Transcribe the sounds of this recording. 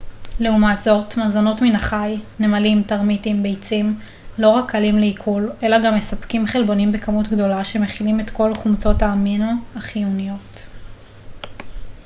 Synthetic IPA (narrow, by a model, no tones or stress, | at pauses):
leumatz̥o̞tmazano̞tminaχajnemalimtaʁmitimbejt͡sim | lo̞ʁakːalimleikʰule̞laɡamːe̞sapkimχelbo̞nimbekamutɡdo̞laʃe̞me̞χilime̞tko̞lχumt͡so̞taminoaχijunijo̞t